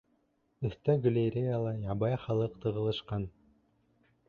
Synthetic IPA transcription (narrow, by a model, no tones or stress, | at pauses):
ɵ̆θt̪æɡlʲeɾʲejalˠɑjɑbɑjχɑlˠɤqt̪ʰɤ̆ʁɤ̆lˠɤ̆ʃqɑn